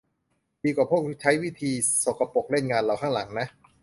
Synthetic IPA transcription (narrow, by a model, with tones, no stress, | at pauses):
diː˧kwaː˨˩pʰu˥˩ək̚t͡ɕʰa˦˥jwi˦˥t̪ʰiː˧so˨˩ka˧po˨˩k̚le˥˩nŋaː˧nɾa˧wkʰaː˥˩ŋla˩˦ŋna˦˥